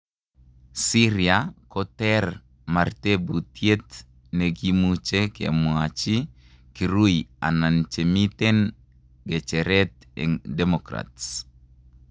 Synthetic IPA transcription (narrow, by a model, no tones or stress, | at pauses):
siɾiakɔtɛr | martebutjet̪ | neɡimut͡ʃekḛmwat͡ʃi | kiɾuja̰nant͡ʃemit̪ɛn | ɡɛt͡ʃɛɾɛt̪̚ | ɛ̰ŋdɛmɔkɾa̰ts